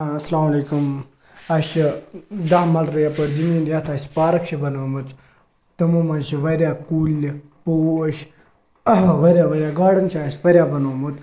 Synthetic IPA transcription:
ɐsɐlaːmɐleːkum | ɐʃid̪aːmɐlɾɐjapɐɽzimiːnʲjat̪ʰaːsʲpaːɾɐkʃibɐnoːmɨt͡s | t̪ɐmumɐnʃiʋɐɾʲaːkuːli | poːʃ | ʋɐɾʲjaːʋɐɾʲjaːɡaːɽɐnt͡ʃʰaːsʲʋɐɾʲjaːbɐnoːmɨt̪

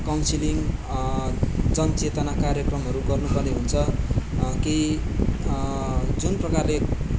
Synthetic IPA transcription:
kawnsiliŋ | d͡zʌnt͡set̪ʌnakaɾjʌkrʌmɦʌɾuɡʌrnupʌrneɦunt͡sʰʌ | ki | d͡zunprʌkarle

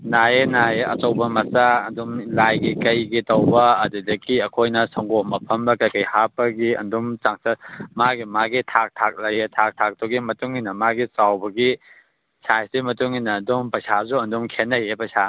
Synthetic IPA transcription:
najenaeɐ̰tɐwbɐmɐsaɐndumlajɡikɐjɡitɐwbɐɐdudɐkiɐkʰojnɐsɐŋɡomɐpʰɐmbɐkɐjkɐjhapɐɡiɐ̰ndumt͡ʃaŋsɐmaɡimaɡitʰak̚tʰak̚lɐjetʰak̚tʰak̚tuɡimɐtuŋinːɐmaɡit͡ʃawbɐɡi | sajsimɐtuŋinːɐːndumpɐsazuɐndumkʰenːɐjepɐsa

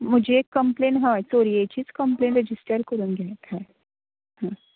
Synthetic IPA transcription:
mʊd͡ʒʱeeːkːəmplẽːnɦãsoːɾieːt͡ʃizkɐ̃mplẽːɳʈɾed͡ʒɪsʈəɾkɐɾũːŋɡɛt̪ɛ̃ | hãː

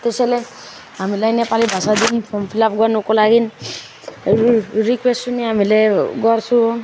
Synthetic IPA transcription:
t̪esɛlɛ | amilajnɛpalibʱasad̪inpʰɔmpʰilapɡanɔkɔlaɡin | ɹikwestːuniamilɛɡɔɾsuɔ

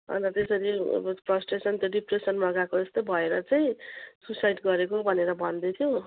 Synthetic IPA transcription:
ʌ̰nɾʌt̪esʌɾḭprʌsʈesʌnt̪joɖipresʌnmʌɡakoest̪obʱʌeɾʌt͡saj̃susajɖɡʌɾekobʱʌneɾʌbʱʌnd̪et̪ʰjo

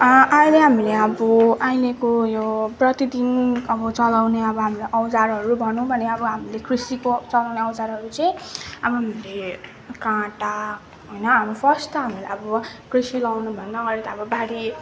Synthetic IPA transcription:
ʌʔʌjleɦamileʌbʌʔajlekojoprʌt̪id̪inʌbʌt͡sʌlawneʌbʌɦamilaʔʌwd͡zarɦʌɾubʱʌnũbʱʌneʌbʌɦamilekrisikot͡sʌlawneʌwd͡zaɾɦʌɾut͡sʌj̃ʌbʌɦamile | kãʈa | ɦojnʌɦamɾupʰʌst̪ʌɦamilaʌbʌkrisilawnubʱʌnːʌɡʌɾet̪aʌbʌbaɽi

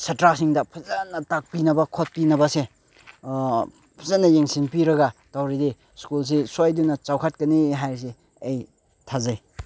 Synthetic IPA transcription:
sɐtɾasiŋdɐpʰɐzanːɐtak̚pinɐbɐkʰot̚pinɐbɐse | pʰɐzanːɐjeŋsinpiɾɐɡɐtawɾidi | skuls̬eswajdunːɐt͡ʃawkʰat̚kɐniɦajs̬e | ej | tʰazaj

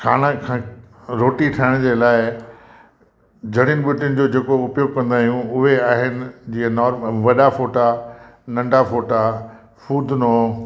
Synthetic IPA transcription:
kʰaːɽ̃əkʰã | ɾoːʈiʈʰaːɪɽ̃d͡ʑeːlaːɪ | d͡ʑʱɐɽɪnɪɓʊʈɪʊnɪ̆d͡ʑoːd͡ʑeːkoʊpjoːɡ̚kɐ̃nd̪aːɦijũʊɦeaːɦɪnɪ̆d͡ʑiːanɔːɾmʋɐɗafoːʈanɐ̃ɳɖʱafoːʈa | fuːd̪ʱno

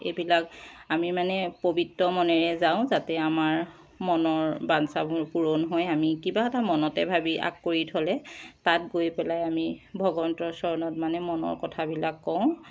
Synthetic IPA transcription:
ḛbilakamimanɛpobʱitɹɔmɔnɛɹɛzaʊ̃zatɛamaɹ | mɔnɔɹbansabuɹpuɹonɦojamikibaɛtamɔnɔtɛbʱabiʔa̰kːoɹitʰɔlɛtat̚ɡojpɛlajamibʱɔɡɔntɹɔsɔɹnɔt̚manɛmɔnɔ̰ɹkɔtʰabilakːɔʊ̃

